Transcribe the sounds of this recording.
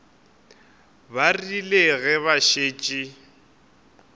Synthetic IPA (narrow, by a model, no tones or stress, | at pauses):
barileɣɛβaʃeːt͡ʃʼi